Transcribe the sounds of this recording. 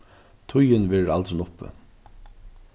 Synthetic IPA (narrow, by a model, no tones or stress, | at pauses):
t̪ʰʊjɪnʋɛːɾa̰lt̪ɾɪnʊpə̰